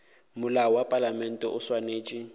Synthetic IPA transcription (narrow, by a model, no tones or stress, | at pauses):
mʊlaɔwapʼalamɛn̩tʼɛʔʊswaneːt͡ʃʼɪ